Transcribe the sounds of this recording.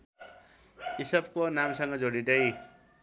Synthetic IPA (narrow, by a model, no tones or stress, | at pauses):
isʌb̚konamsʌŋɡʌd͡zoɽid̪ʌj